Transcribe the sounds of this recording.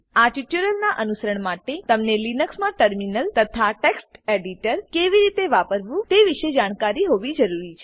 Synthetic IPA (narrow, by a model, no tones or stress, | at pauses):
aʈiʈjuɾəlnaʔənusəɾəɳmaʈet̪əmnelinəksmãʈəɾminəlt̪ət̪ʰaʈeksʈeɖiʈəɾkeʋiɾit̪eʋapəɾʋũt̪eʋiʃed͡ʒaɽ̃kaɾiɦoʋid͡ʒəɾuɾit͡ʃʰe